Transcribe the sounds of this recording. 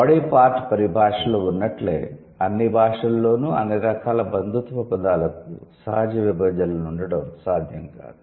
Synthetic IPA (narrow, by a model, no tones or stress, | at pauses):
ɐɽipaːɾʈpɐɾibʱaːʂɐloːunːɐʈlḛː | ɐnːibʱaːʂɐlːo̞ːnuɐ̰nːiɾɐkʰaːlɐbɐnd̪ʱut̪upɐpɐd̪aːlɐk̚usɐ̰ɦɐd͡ʒɐʋibɐd͡ʒ̪ɐlɐnuɳɖɐɽɐmsaːd̪ʱjɐŋka̰ːd̪u